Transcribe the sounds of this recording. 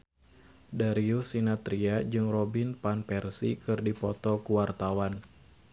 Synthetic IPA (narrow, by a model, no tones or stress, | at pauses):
daɾiusinat̪ɾiad͡ʒɨŋrɔbinpanpɛrsikɨrdipɔt̪ɔkuwart̪awan